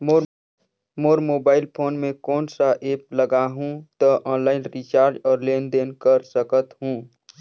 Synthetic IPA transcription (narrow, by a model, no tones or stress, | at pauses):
mo | moːɾmoːbaːɪlpʰoːnmẽkɔːnsaʔeːp̚ləɡaɦũt̪ɔʔɔ̃ːnlaːɪnɾit͡ʃaːɾd͡ʒɔːɾleːnd̪eːnkəɾsəkət̪ɦũː